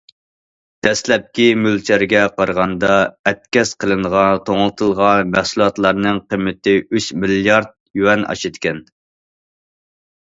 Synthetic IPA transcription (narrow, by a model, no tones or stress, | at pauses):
d̪̥ɛslɛp̚kʲimylt͡ʃʰæɾɡʲɛqʰɑɾʁɑnd̪ɑɛt̪̚kʲɛsqʰəlˠɨnəʁɑt̪ʰoŋlˠɨt̪ʰɨlˠʁɑnmæhsulˠɑt̪lˠɑɾnɨŋqəmːɪt̪ɪyʃmiljɑɾd̪̚jywɛnɑ̰ʃit̪kʲʰɛn